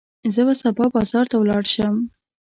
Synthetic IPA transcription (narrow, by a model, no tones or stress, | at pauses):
zəbasabɑbɑzɑɾt̪awlɑɽʃəm